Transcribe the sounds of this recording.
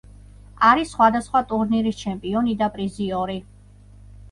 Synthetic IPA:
aɾisχwad̪asχwat̪ʼuɾniɾist͡ʃʰɛmpʼiɔnid̪apʼɾiziɔɾi

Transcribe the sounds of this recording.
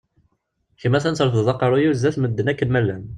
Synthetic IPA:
çəmːæθænt͡səɾθðˤɑqːɑɾˤojuzːæθməd̪ːənækːənmælːæn

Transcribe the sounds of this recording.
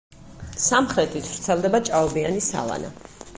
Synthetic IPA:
samχɾɛt̪ʼit̪ʰv̥ɾt̪sʰɛlˠd̪ɛbat͡ʃʼaɔbianisa̰lˠa̰na̰

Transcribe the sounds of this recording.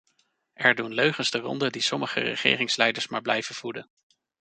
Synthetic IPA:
ʔɛɹdunløɥχənzdərɔ̰ndədisɔməχə̰rə̰χɪ̰ːrɪŋslɛjdəɹsmaːɹblɛjvənv̥udən

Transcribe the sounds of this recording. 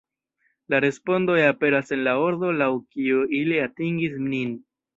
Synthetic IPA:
laɾe̞spo̞ndo̞jape̞ɾase̞nlao̞ɾdo̞lawkiuiliatiŋɡis̬mnin

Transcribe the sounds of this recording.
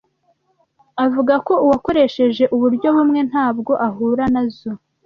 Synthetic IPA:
avuɡako̞uwako̞ɾe̞ʃe̞ʒe̞ʔuβuɾɟo̞βumŋe̞n̥haːb̚ɡo̞ʔaɦuːɾanazo

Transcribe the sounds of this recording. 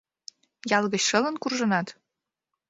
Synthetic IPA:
jɑlɣə̆ɕʃɤlə̆nkurʒɤ̆nɑt̪

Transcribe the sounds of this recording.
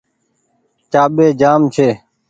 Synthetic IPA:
t͡ʃaːɓeːd͡ʒaːmt͡ʃʰeː

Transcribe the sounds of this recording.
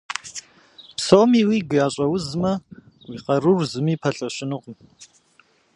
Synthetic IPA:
psowmiːwiːɡɨjaːɕʼɐwʊzmɐ | wiːqɐɾɨrzɨmiːpʰɐɬʼɐɕɪnɨqm

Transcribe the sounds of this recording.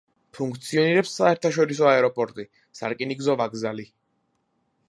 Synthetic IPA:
pʰuŋk̚ʰt̪sʰiɔniɾɛpsːaɛɾt̪ʰaʃɔɾis̬ɔaɛɾɔpʼɔɾt̪ʼi | sa̰ɾkʼiniɡzɔvaɡzali

